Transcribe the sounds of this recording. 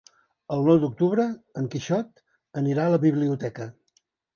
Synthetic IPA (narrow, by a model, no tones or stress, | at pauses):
əlˠnɔwd̪uk̚t̪uβɾəəŋkiʃɔt̪ | əniɾaələβiβliut̪ɛkə